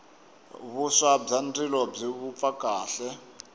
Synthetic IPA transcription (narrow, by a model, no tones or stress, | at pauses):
βusab͡ʐandilɔb͡ʐiβup̪fakʼaːɬɛ